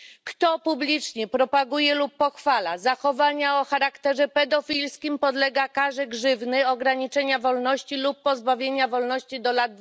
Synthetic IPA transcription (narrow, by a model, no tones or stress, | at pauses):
kt̪ɔpublʲit͡ʂɲɛpɾɔpaɡujɛlupːɔxfala̰zaxɔvaɲaɔxaɾakt̪ɛʐɛpɛd̪ɔfʲilskʲimpɔd̪lɛɡakaʐɛɡʐɘvnɘɔɡɾaɲit͡ʂɛɲavɔlnɔɕt͡ɕilupːɔzbavʲjeɲavɔlnɔɕt͡ɕid̪ɔlad̪